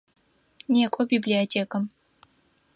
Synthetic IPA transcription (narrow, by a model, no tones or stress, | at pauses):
nʲekʷʼɔbiblʲiotʲʰeːkɐm